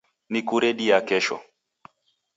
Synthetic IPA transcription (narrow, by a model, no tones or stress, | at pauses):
nikuɾɛɗiakɛʃɔ̰